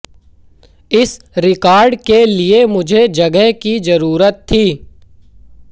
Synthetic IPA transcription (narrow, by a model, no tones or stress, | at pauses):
ɪs | ɾɪkaːɾɖkeliemʊd͡ʒʱed͡ʒɐɡəɦkizɐɾuːɾət̪ʰːiː